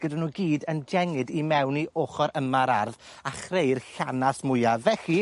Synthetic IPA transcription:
ɡ̥ədanuːɡiːdənd͡ʒɛŋɨdimɛwniʔoːχɔɾʔəmaɾarð | aχrejrɬanasmʊjavɛɬi

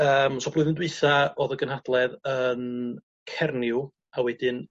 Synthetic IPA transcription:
əːmsɔb̥lʊːðɪndwɨjθaɔðəɡənhad̥lˠɛðən | kʰɛrnɪʊ | awɛdɪn

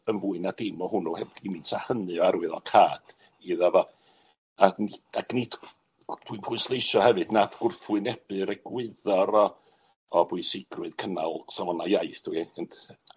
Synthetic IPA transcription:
ənvuːɨnadɪmɔhʊnuhɛbimiːnsʰahənɨɔaɾwɨðɔ̰kʰaːd̥ | iðavɔ | aniaknitʰ | d̥winpʰʊɨnslˠejʃɔhɛvɨdnadʰɡ̥ʊrθʊɨnɛb̥ɨɾɛɡ̥wɪðɔɾɔː | bʊɨsɪɡrwʊɨðkʰənalˠsawɔnajajθd̥ʰwiəntʰ

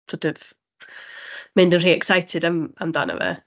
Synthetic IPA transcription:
tɔdəv | mẽndənriːɛksajtʰɪdamamda̰nə̰və̰

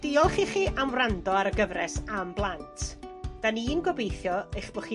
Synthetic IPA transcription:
d̥iɔlˠχiχiːʔamwrandɔaɾəɡəvɾɛsamblˠantʰd̥aniːnɡɔbejθjɔejχb̥ɔχi

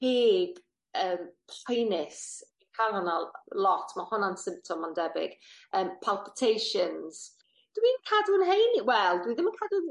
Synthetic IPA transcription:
heːɡ | əːmpʰajnɪs | kʰalˠɔnalɔtʰmahʊnansɪ̃mp̚tʰɔmɔndɛbɪ̰ɡ̥əːmpʰalˠpɪ̥tʰejʃənz̥ | d̥əwinkʰadʊnɦejnwɛlˠdwiðɪmənkʰadun

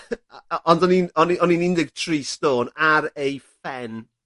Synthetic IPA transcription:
ʔɔndɔninɔniɔninɪndɪɡ̥̚tʰriːstoːnaɾejfɛn

